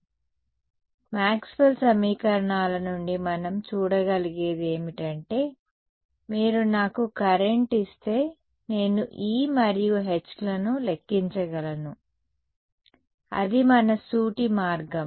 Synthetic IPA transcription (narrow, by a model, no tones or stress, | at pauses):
maːkspɐlsɐmiːkɐɾɐɳaːlɐnuɳɖimɐnɐmt͡ʃuːɽɐɡɐliɡe̞ːd̪e̞ːmiʈɐɳʈe̞ː | miːɾunaːkukɐɾeɳʈist̪e̞ː | ne̞ːnuʔiːmɐɾijuɦet͡ʃːlɐnulekːiɲt͡ʃɐɡɐlɐnu | ɐ̰d̪imɐnɐsuːʈimaːɾɡɐm